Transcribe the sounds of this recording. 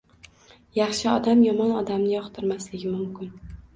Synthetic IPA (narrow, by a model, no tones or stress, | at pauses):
jɑχʃɪɒd̪amjɒmɒnɒd̪amnɪjɒχt̪ʰɪɾmaslɪɡʲɪmʊmkʲɪn